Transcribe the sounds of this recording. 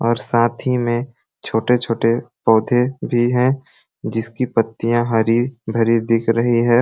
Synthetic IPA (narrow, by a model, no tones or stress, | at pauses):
ɔːɾsaːt̪ʰimẽ | t͡ʃʰoːʈet͡ʃʰoːʈepɔːd̪ʱebʱiɦɛ̃ | d͡ʒɪskipɐt̪ːijãɦɐɾibʱɐɾid̪ɪkʰɾɐɦiɦɛː